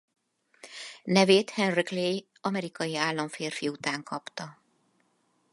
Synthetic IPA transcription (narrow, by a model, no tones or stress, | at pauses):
nɛveːt̪hɛnriklej | ɒmɛɾikɒjiaːlːɒɱfeːrfiut̪aːŋkʰɒpt̪ɒ